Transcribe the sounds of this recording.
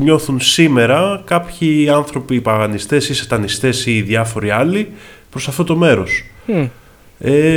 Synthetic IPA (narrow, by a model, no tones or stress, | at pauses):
ɲo̞θunsime̞ɾɐkɐpçiɐnθɾo̞piːpɐɣɐnist̪e̞siset̪ɐnist̪e̞siːðɐfo̞ɾiɐli | pɾosɐft̪o̞t̪o̞me̞ɾo̞s | e